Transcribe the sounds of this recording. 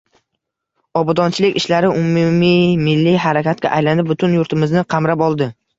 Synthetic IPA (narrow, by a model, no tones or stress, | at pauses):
ɒbɒd̪ɒnt͡ʃʰɪlɪkʲɪʃlaɾɪʊmumimɪlːiɦaɾakʲat̪̚ɡʲa̰ʔajland̪ɪbʊt̪ʰʊnjʊɾt̪ʰɪmɪznɪqʰɑmɾapɒlˠd̪ɪ